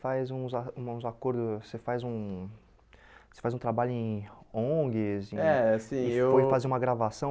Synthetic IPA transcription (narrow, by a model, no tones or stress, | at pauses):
fajzũzaũzakoɾd̪ʊsefajzũ | se̥fajzũt̪ɾabaʎʊẽõɡɪz̃ɛasĩewfojfazeũmɐɡɾavasɐ̃w̃